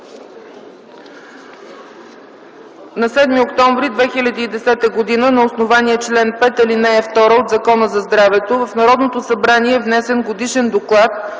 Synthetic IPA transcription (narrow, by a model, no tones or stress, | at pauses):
nɐsɛd̪miokt̪ɔ̃ɱvɾid̪vɛxilʲɐd̪iːd̪ɛsɛt̪əɡod̪inənɐosnovaniət͡ʃlɛnpɛt̪ɛlinɛɛft̪ɔɾəot̪zɐkɔnəzɐzd̪ɾavɛt̪ovəfnɐɾɔd̪not̪osɐbɾaniɛːvnɛsɛnɡod̪iʃɛnd̪oklˠat̪̚